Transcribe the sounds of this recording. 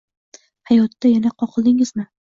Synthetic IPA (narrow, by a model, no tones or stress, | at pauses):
hajɒt̪ːajanaqʰɒqʰlˠd̪ɪŋɪzmɪ